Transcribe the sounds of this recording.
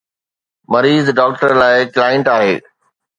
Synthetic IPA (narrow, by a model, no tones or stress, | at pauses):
mɐɾiːzɖɔːk̚ʈəɾlaːɪklaːɪ̃ɳʈaːɦeː